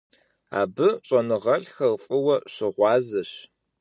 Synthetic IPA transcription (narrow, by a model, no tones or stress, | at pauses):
a̰ːbɨɕʼɐnɨʁɐɬxɐrfʼɨwɐɕɪʁʷɑːzɐɕ